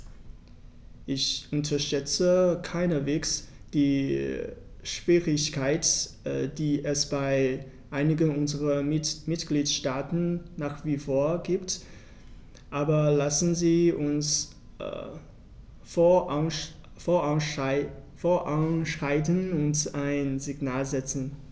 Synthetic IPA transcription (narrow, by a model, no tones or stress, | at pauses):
ʔɪçʔʊntʰɐʃɛt͡səkʰaɪnəveːksd̥iː | ʃv̥iːʁɪçkʰaɪtː | d̥iːʔɛsb̥aɪ | ʔaɪnɪɡənʊnzəʁɐmɪtɡ̥liːtʃtaːtn̩ːaːχv̥iːfoːɐɡiːpt | ʔaːbɐlasn̩ziːʊns | foːɐaʊ | foːɐʔanʃʁ̥aɪtənʊntaɪnzɪɡnaːlzɛt͡sn̩